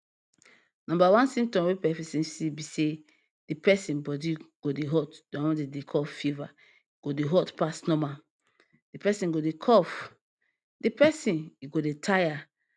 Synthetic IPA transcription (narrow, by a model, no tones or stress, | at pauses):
nɔ̃mbawãnsĩm̚tɔ̃mwepɛfisĩnsibise | d̥ipɛsĩbɔdiɡ̥odeɦɔtdɔ̃wɔ̃dedekʰɔffiva | iɡ̥odeɦɔtpasnɔ̃ma | d̥ipɛsĩnɡodekʰɔf | dipɛsĩniɡodetʰaja